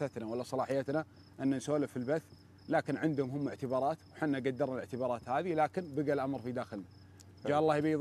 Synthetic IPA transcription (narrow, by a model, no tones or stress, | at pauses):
at̪nawalːasˤɑlɑːħɪjːat̪na | ʔɪnːansoːlafilbaθː | laːkɪnʕɪnd̪hʊmɦʊmːɪʕt̪ɪbɑːɾˤɑːt̪wħɪnːaɡad̪ːɑɾˤnalɪʕt̪ɪbɑːɾˤɑːt̪haːðilaːkɪnbɪɡalʔamɾˤfid̪aːxɪlna | d͡ʒaːʔɑlːɑːhjbajð